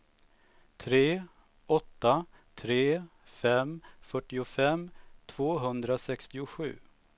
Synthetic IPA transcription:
t̪ʰɾeː | ɔt̪ːa | t̪ʰɾeːfɛmfœʈːɪʊfɛmt̪ʰv̥oːɦɵnd̪ɾasɛkst̪ɪʊɧʉ̟ː

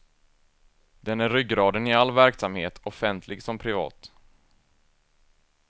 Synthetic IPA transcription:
d̪ɛnæɾːʏɡɾɑːd̪ənɪalːvæɾksamheːt̪ʰɔfɛnt̪ʰlɪɡsɔmpʰɾɪvɑ̰ːt̪

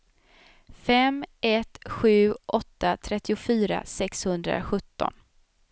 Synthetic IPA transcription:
fɛmɛt̪ɧʉ̟ːʔɔt̪ːat̪ʰɾɛt̪ːɪʊfyːɾa̰sɛkshɵnd̪ɾa̰ɧɵt̪ːɔ̰n

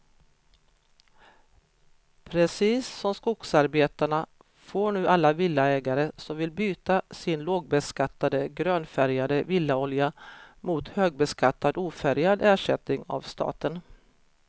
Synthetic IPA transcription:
pʰɾɛsiːsːɔmskʊksaɾbeːt̪aɳa | foːɳʉ̟ːʔalːavɪlːaɛːɡaɾəsɔmvɪlbyːt̪asɪnloːɡ̚bɛskat̪ːad̪əɡɾøːnfæɾjad̪əvɪlːaɔljamʊt̪høːɡ̚bɛskat̪ːad̪uːfæɾjad̪æːʂɛt̪nɪŋa̰vst̪ɑ̰ːt̪ən

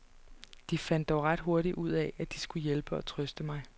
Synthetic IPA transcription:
d̥ifæn̰d̥ːɒʊʁɑ̈d̥ɦo̝ɐɾiʔuð̞̰ˠɛæd̥isɡ̥ujelb̥əɒ̽t͡sʰʁœsd̥əmɑ̈ɪ

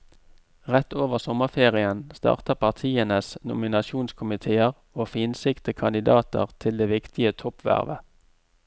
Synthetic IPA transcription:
ʁɛt̪oːʋəʁsɔməʁfeːʁɪənst̪ɑ̰ːʁt̪əpʰɑʁt̪ʰiːənəsnʊ̰mɪnɑʃuːnskʰʊmɪt̪ʰeːəʁ | oːfiːnsɪkt̪əkʰɑnd̪ɪd̪ɑːt̪ə̰ʁt̪ʰɪld̪eːʋɪkt̪ʰɪət̪ʰɔpʋæ̰ʁʋə

